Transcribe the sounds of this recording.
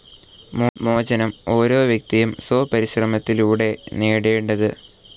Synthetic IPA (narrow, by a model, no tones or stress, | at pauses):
momo̞ːd͡ʑɐnɐmo̞ːɾo̞ːʋjɐk̚t̪ijumsoːpɐɾiɕrɐmɐt̪ːiluːɽe̞neːɽeːɳɖɐðɨ